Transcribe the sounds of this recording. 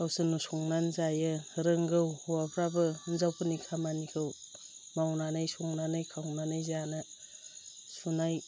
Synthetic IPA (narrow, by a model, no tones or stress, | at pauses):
awsɯnusɔŋnanzajɯɾɯŋɡɯwhuwapʰɾabɯnzawpʰɯnikʰamanikʰɯw | mawnanɯjsuŋnanɯjkʰawnanɯjzanɯ | sunaj